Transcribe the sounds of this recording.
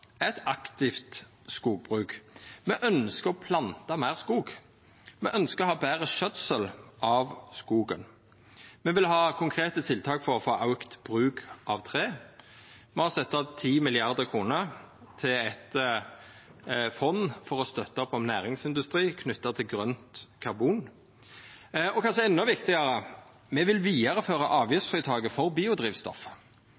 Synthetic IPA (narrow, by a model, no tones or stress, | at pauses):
ɛt̪ɑkt̪ɪft̪ | skuːɡ̚bʁʉːkmɛʔœnskəɔpʰlɑnt̪ɑmæɪʁskuːɡ | mɛʔœnskəɔhɑːbæːʁəʃœt̪səlʔɑʋskuːɡə̰n | mɛʋɪlhɑːkʰʊŋkʰʁeːt̪ət̪ʰɪlt̪ʰɑːkfɔʁɔfoːʔɑʉkt̪b̥ʁʉːkʔɑʋt̪ʰʁeː | mɛhɑʁsɛt̪ːɑt̪ʰiːmɪlɪɑʁd̪əkʰʁuːnəʁ | t̪ʰɪlɛt̪ | fɔnːfɔʁɔst̪œt̪ːəɔpɔmnæːʁɪŋsɪnd̪ʉst̪ʁiːkʰnʏt̪ːət̪ʰɪlɡʁœnt̪kʰɑʁbuːn | ɔkʰɑnʃəɛnːɔʋɪkt̪ɪɡɑɾə | mɛʋɪlʋiːəʁəføːʁɑʔɑːʋjʏt̪fʁiːt̪ʰɑːɡəfɔʁbiːʊd̪ʁiːʋst̪ɔ̰f